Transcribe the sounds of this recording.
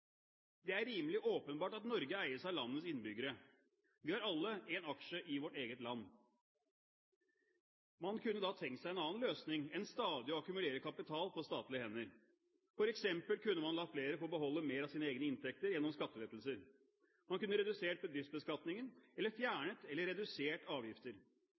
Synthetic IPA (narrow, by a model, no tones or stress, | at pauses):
d̪ɛæɾːiːməlɪʔoːpənbɑːʈɑt̪nɔɾɡəæɪəʂæɪɑlɑnːəsɪnːbʏɡəɾə | ʋɪːhɑɾɑlːəɛnɑkʂəʔɪʋɔʈeːɡət̪lɑnː | mɑnkʰʉnːəd̪ɑt̪ʰɛŋk̪sæɪɛnɑːnløːsnɪŋɛnst̪ɑːd̪ɪɔɑkʉmʉleːɾəkʰɑpɪt̪ʰɑːlpʰɔst̪ɑːt̪lɪəhɛnːəɾ | fɔɾɛksɛmpəlkʰʉnːəmɑnlɑːfleːɾəfoːbəɦɔlːəmeːɾɑʋsiːnəeːɡnəɪnt̪ʰɛk̚t̪əɾjɛnːɔmskɑt̪ːəʋɛt̪l̩səɾ | mɑnkʉnːəɾɛd̪ʉseːʈ̚bəd̪ɾɪfsbəskɑt̪nɪŋənɛlːəɾfjæːɳət̪ɛlːəɾɛd̪ʉseːʈɑːʋjɪft̪əɾ